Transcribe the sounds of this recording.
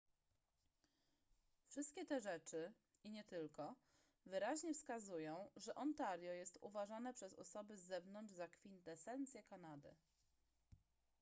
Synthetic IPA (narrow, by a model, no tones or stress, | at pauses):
fʂɘst̪kʲɛt̪ɛʐɛt͡ʂɘ | iɲɛt̪ɘlkɔ | vɘɾaʑɲɛfskazujɔ̃w̃ʐɛʔɔnt̪aɾjɔjɛst̪ṵvaʐanɛpʂɛzɔ̰sɔbɘzːɛvnɔnʐzakfʲint̪ɛsɛnt̪sʲjɛkanad̪ɘ̰